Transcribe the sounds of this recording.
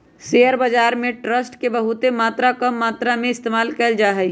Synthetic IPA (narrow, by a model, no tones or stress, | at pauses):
seːəɾbəd͡ʒaːɾmẽʈɾəsʈkebɐɦʊt̪emaːt̪ɾakɐmːaːt̪ɾamẽɪst̪eːmaːlkɛːld͡ʒaːɦɛi